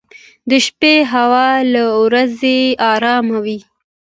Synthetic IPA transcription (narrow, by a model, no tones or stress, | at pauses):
d̪əʃpeɦawɑlawɾazeɑɾɑmawi